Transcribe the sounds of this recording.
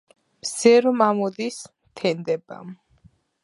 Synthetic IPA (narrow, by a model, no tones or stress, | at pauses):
msɛɾɔmamɔd̪ismt̪ʰɛnd̪ɛba̰m